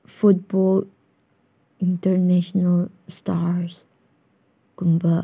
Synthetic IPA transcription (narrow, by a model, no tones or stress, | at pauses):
fut̚bɔl | ĩntəɹnɛʃɔnəl | staɹs | kumbə